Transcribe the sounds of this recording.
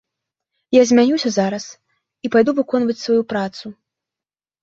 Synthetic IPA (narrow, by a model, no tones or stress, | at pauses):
jazʲmʲanʲuwsʲɐzaɾɐs | ipajd̪uvɨkɔnvɐt͡sʲsvajupɾat̪su